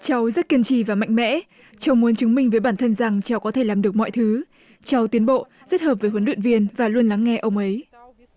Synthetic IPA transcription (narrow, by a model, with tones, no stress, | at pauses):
t͡ɕa˨˦wzə˦˥t̚ki˧ənt͡ɕḭ˧˩vaː˨˩ma̰˧˨ŋ̟mɛ̰˧˥ | t͡ɕa˧˦wmu˨˦ənt͡ɕɨ˨˦ŋmï˧ŋ̟vəː˨˦jɓaː˧˩nt̪ʰə˧nza˨˩ŋt͡ɕa˨˦wkɔ˨˦t̪ʰe˧˩laː˨˩mɗɨ˨˩ək̚mɔ̰˧˨jt̪ʰɨ˨˦ | t͡ɕa˨˧˦wt̪wi˨˦ənɓo̰˧˨ | zə˦˥t̚həː˨˩p̚vəː˨˦jhwə˨˦nɗw̰ənvi˧ənvaː˨˩lu˧ənla˨˦ŋːɛ˧ʔə˧wŋ͡mʔə˨˦j